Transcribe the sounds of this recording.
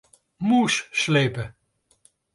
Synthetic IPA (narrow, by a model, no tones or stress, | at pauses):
musslejpə